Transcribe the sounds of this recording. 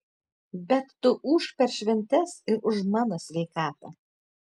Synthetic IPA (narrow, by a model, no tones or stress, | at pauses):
bʲɛt̪ːʊʔuːʃpʲɛɾʃʲʋʲɛnʲt̪ʲɛsɪɾʊʃmɑːnoːsʲʋʲɛɪkɑːt̪ɐ̰